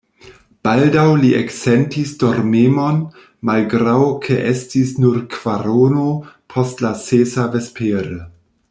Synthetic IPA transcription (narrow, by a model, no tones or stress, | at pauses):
b̥aldawliʔeksentisdoɾmemon | malɡɾawkʰeʔestisnuɾkv̥aɾonopʰostlasesavespʰeɾe